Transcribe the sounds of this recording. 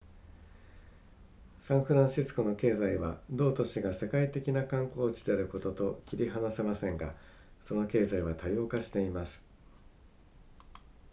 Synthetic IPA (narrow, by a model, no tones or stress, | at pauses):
sãɰ̃ɸɯ̟ɾãɕisɨ̥ko̞no̞ke̞ːzaiβa̰d̪o̞ːt̪o̞ɕiɡase̞kait̪e̞kʲinakãŋko̞ːt͡ɕi̥d̪e̞aɾɯ̟ko̞t̪o̞t̪o̞kʲiɾʲiɦanase̞masẽ̞ŋɡa̰ | so̞no̞ke̞ːzaiβat̪ajo̞ːkaɕi̥t̪e̞imasɨ̥